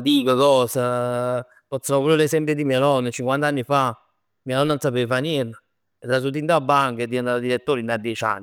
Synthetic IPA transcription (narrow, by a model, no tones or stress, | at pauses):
d̪iːkokɔːsa | fɔsːanopuɾelesɛmpjed̪imielɔnːət͡ʃiŋkwant̪anːifa | mialɔnːansapevfaniɾla | et̪ːɾas̬ut̪̬int̪abːaŋked̪ːind̪aad̪iɾet̪ːoːɾinad̪jɛt͡ʃa̰nːi